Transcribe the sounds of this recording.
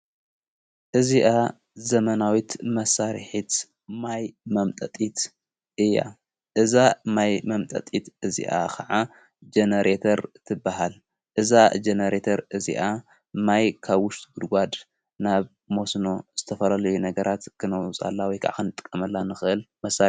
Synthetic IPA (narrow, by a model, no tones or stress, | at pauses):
ʔɨziʔa | zɐmɐnawit̪mɐsːaɾħit̪ | majmɐmt̪ʼɐt̪ʼit̪ | ʔɨjːa̰ | ʔɨzamajmɐmt̪ʼɐ̰t̪ʼit̪ɨzḭʔa̰kʰɐʕa | d͡ʒenɐɾet̪ʰɐɾt̪ʰɨbːahal | ʔɨzad͡ʒenɐɾet̪ʰɐɾɨzḭʔa | majkʰaβwʊʃt̪ʼɡud̪ɡʷad̪ | naβ | mo̞sno̞z̥ɨt̪ʰɐfɐlalɐjunɐɡɐɾʔat̪kʰɨnɐwt͡sʼa̰lːawɔjkʰa̰ʕa̰kɨnɨt̪ʼɨ̥kʼːɐmɐlːanɨxɨʔɨlmɐsa